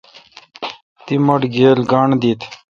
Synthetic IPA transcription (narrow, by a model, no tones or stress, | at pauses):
t̪imɐʈɡeːlɡaːɳd̪it̪ʰ